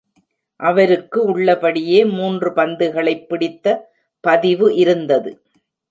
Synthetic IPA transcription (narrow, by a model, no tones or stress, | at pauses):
ʔɐʋɐɾɯkːɯʊɭːɐpɐɽɪjeːmuːndrɯpɐnd̪ɯɣɐɭɐɪpːɪɽɪt̪ːɐ | pɐðɪʋɯʔɪɾɯnd̪ɐðɯ